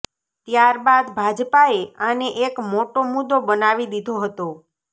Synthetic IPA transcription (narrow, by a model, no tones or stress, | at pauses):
t̪jaɾbad̪bʱad͡ʒpaeaneʔekmoʈomud̪obənaʋid̪id̪ʱoɦət̪o